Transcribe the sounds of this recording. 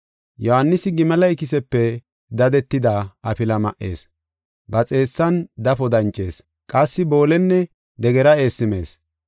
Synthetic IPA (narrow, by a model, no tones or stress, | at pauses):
jɔhɐnːɪsɪɡɪmɐlɐjkɪsɛpːɛ | d̪ɐd̪ɛt̪ːɪd̪ɐɐpɪlɐmɐ̰ʔːe̞̰ːs | bɐt͡sʼe̞ːsːɐnd̪ɐpɔd̪ɐnt͡ʃʼːe̞̰ːs | kʼɐsːɪbo̞ːlɛnːɛ | d̪ɛɡɛɾɐe̞ːsːɪme̞̰ːs